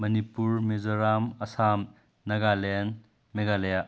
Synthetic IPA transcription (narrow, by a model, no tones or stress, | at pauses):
mɐnipuɾmezoɾamɐsam | nɐɡalen | meɡaleja